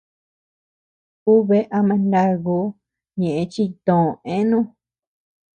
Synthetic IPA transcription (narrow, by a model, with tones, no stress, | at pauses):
u˦βe˦ʔa˧mã˧nd̪a˦ɣu˧˦ | ɲẽ˨ʔẽ˧t͡ʃi˦t̪õ˨ẽ˦nũ˦